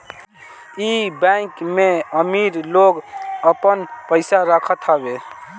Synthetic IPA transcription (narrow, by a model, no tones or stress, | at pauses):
ibãkmeəmiɾloɡəpənpəɪsaɾəkʰət̪ʰəbe